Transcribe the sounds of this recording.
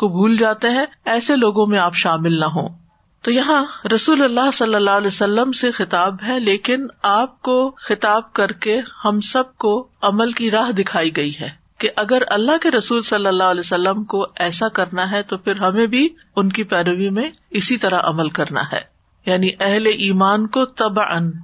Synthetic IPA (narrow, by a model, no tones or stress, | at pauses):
kobʱuːld͡ʒaːt̪eɦɛ̃ɛːseloːɡõmẽaːpʃaːmɪlnaɦõ̰ː | t̪oːjɐɦãɾɐsuːlɐlːasɐlːəlːaːɦlɛːsɐlːəmsexɪt̪aːbɦɛleːkɪnaːp̚koxɪt̪aːb̚kɐɾkehɐmsɐb̚koɐməlkiɾaːɦd̪ɪkʰaːiɡɐiɦɛː | keʔɐɡəɾɐlːaɦkeɾɐsuːlsɐlːəlːaːɦɐlɛːsɐlːəmkoɛːsakɐɾnaɦɛt̪ofʰɪɾɦɐmẽbʱi | ʊnkipɛːɾəʋimẽɪsit̪ɐɾaʔɐ̰məlkɐɾna̰ɦɛ̰ː | jaːniʔɛɦleʔiːmaːnkot̪ɐbʕə̰n